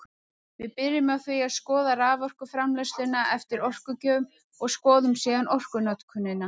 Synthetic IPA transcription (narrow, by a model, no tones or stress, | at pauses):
vɪðpɪɾɪmaðθviaðskɔːðaɾaːvɔr̥kʏfɾamlɛslɪnaʔɛft̪ɪɾɔr̥kʏcœːʏm | ɔɣskɔːðʏmsiːɣanɔr̥kʏnat̪kʰʏnːɪnːa